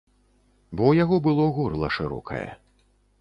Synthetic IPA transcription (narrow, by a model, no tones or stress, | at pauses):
bɔwjaɣɔbɨlˠɔɣɔrlˠɐʂɨɾɔ̰kʰɐ̰jɛ̰